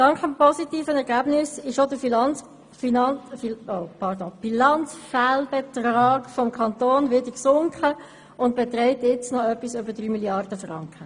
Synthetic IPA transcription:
d̥ɑŋkχəmpɔsitiːfənɛɾɡæbnɪsɪʃodəfin | fin | opʰɑdob̥ilɑnt͡sfælbɛt̪rɑːɡfɔmkʰɑnt̪oːnvɪdəksʊŋkχə | ʊntb̥ɛt̪ɾɛɪtjɪt͡snɔœpːisøbədɾyːmiljɑrd̥əfrɑ̰ŋkχə

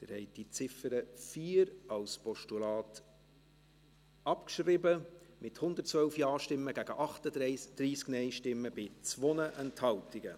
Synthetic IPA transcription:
dɪɾhɛɪd̥it͡sɪfəɾəfiːɾɑlspɔʃtulɑːt | ɑpkʃrɪbəmɪthʊnd̪ətt͡svœlfjɑːʃtɪmːəɡæɡ̥əʔɑχtədd̥ɾiːsknɛɪʃtɪmːəbɪt͡sʋɔnəʔɛnthɑltɪɡə

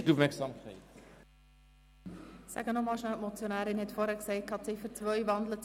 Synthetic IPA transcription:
duvmɛksɑmkχḛɪ | sæ̰ɡənɔmɑːlˠʃnælmɔt͡sjonæːɾɪnhɛtfɔːɾækseɪt̚kʰhɑtsefət͡svœjvɑndlət

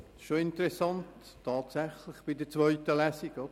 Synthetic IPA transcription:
ʃoɪntəɾɛsɑntʰː | ɑːtsæχlɪχb̥idət͡sʋœʏtəlæsiɡɔ

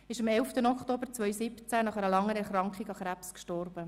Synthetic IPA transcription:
ɪʃɑmɛlftənɔkχtoːbəɾt͡sʋœɥjsɪpt͡sænɑχæɾəlɑŋːəɾɛɾχɾɑŋkχiɡɑχɾæpskʃtɔrb̥ə

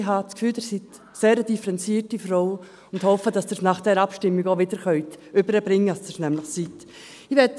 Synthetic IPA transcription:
ɦɑskfyːldəsit | seːɾəd̥ifəɾɛnt͡siːətifɾɔʊ | ʊndhɔfəd̥ɑsd̥əsnɑχd̥ɛɾɑpʃtɪmːiɡoʋɪd̥əɾχœʏtʏbəɾəbɾɪŋːəɑsd̥əsnɛmlɪχsit | iʋɛt

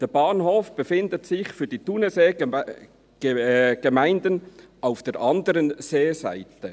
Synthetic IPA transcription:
d̥eːb̥ɑːnhoːfb̥əfɪndətsɪçfyːɾd̥iːtunəse̥ː | ɡ̥emaɪndənaʊfd̥eːɾʔɑndəɾənz̥eːza̰ɪtə

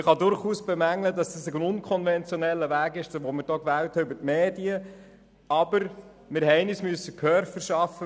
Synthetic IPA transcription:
ɪχɑdʊɾχuːsb̥emæŋlədɑsd̥ɑsɪɡənʊnkʰɔnvɛnt͡sjɔnɛlːəʋæːɡɪʃʋomɪɾd̥oːkʋæːlthɛybəɾtmeːdiə | ɑbəɾ | mɪɾɦɛɪnismyəsːəkʰœɾfəɾʃɑfːə

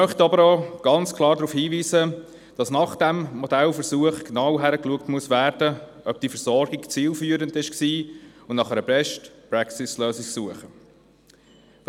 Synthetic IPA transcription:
œχt̪ɑbəɾoːɡ̥ɑnt͡skʰlˠɑːɾdɾuːfhiːviːzə | d̥ɑsnɑχd̥ɛmmɔd̥̪ælfəɾsuəχknɑwɦæɾəkluəktmuəsvæːrd̥ə | œb̚d̥ifəɾzɔɾɡikt͡siːlfyːəɾəndɪʃksiːʊnnɑχɛɾəbɛʃtpɾɛksɪsløːsɪksuəχə

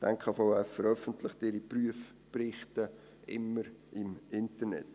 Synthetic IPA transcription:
tɛŋkʰχfaʊæfəɾœfəntləχtɪɾipryəf | prɪχtə | ɪ̰mːəɾʔɪmɪntəɾnɛ̰t

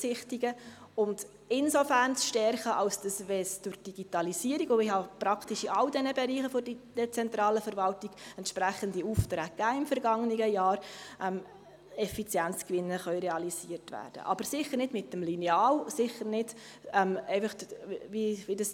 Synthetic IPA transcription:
sɪχtiɡə | ʊnd | ɪnsofæːrnsʃtɛɾχəʔɑlsd̥ɑsʋɛsd̥ʊɾd̥iɡ̥itɑlisiəɾiɡoɪhɑpɾɑktiʃɪɑldɛnəbɛɾiːχəfɔdid̥ɛt͡sɛntɾɑːləfəɾvɑltiɡ̥ɛntʃpɾæχəndiuftɾækːæːɪmfəɾɡɑŋəniɡəjɑːɾʔɛm | ɛfit͡sjænt͡skʋɪnːəχœʏɾɛɑlisiːəɾtvæ̰ːɾd̥ə̰ʔɑ̰b̥əɾsɪχəɾnɪdmɪtːəmlinɛɑːlsɪχəɾnɪd | ɛmɛɪfəχʋiʋidəs

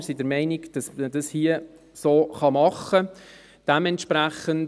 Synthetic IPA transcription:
ɾsidəɾmɛɪniɡd̥ɑsəd̥ɑshiə | soːχɑmɑχə | d̥ɛmɛntʃpɾæχən

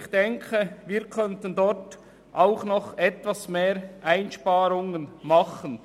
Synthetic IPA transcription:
xd̥ɛŋkʰəviːɾkʰœntəndɔɾt | ʔaʊχnɔχɛtvasmeːɾʔaɪnʃpaːɾʊŋənmɑχən

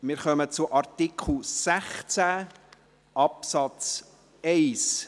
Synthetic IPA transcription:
mɪːɾχœmət͡sʊʔɑɾtikχl̩sæχt͡sæ | ʔɑpsɑt͡s | ɛɪs

